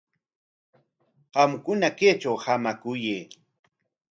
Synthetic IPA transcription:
ɢɑmkʊnakeːt͡ʃawhamakʊjeː

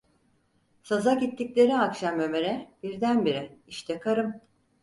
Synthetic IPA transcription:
sazaɟit̪ʰːiclʲe̞ɾiakʃamømeɾɛbiɾd̪ænbiɾɛiʃt̪ʰɛkʰaɾɯm

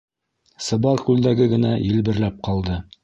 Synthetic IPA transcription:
sɤ̆bɑɾˠkʉld̪æɡɘɡɘ̆næjɘ̆lbɘ̆ɾlæp̚qʰɑlˠd̪ɤ

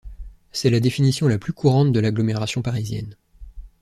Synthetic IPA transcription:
sɛlad̪efinisjɔ̃laplykuʁɑ̃t̪d̪əlaɡlɔmeʁasjɔ̃paʁizjɛ̰n

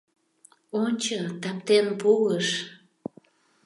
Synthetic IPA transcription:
onʲt͡ɕət̪ɑp̚t̪enpuəʃ

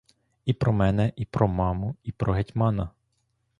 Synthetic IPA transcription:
ipɾɔmɛnɛʔipɾɔmɑmʊipɾʔɔɦetʲmɑnɐ

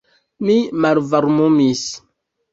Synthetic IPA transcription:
mimalvaɾmomis

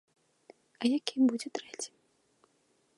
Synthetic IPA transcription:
ɐjakʲimbud͡zʲɛt̪ɾɛt͡sʲi̥m

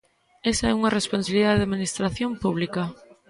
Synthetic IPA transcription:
esɐɛuŋɐresponsaβliðaðeðaminist̪ɾaθjompuβ̞likɐ

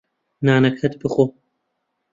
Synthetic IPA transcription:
naːnɐkʰhɐt̪bɨxoː

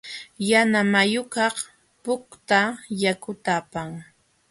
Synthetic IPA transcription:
janamajʊkɑχ | pʊkt̪ajakʊt̪apaŋ

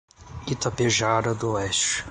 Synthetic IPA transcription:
it̪ɐpeʒaɾɐd̪ʊɛst͡ʃɪ̥

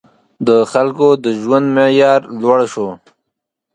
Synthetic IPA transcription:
d̪əxalkod̪əʒwand̪meʕjɑːɾlwaɽʃo

